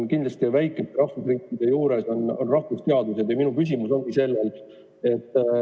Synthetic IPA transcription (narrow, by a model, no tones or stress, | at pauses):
kind̪lɑst̪ivæjkːˑet̪ːˑeɾɑhvusriːkːˑid̪̥e̞juːɾe̞so̞nonrɑhvust̪eɑd̪use̞d̪jɑminukys̬ʲimuso̞nɡ̥ise̞lːel | e̞t̪ːˑ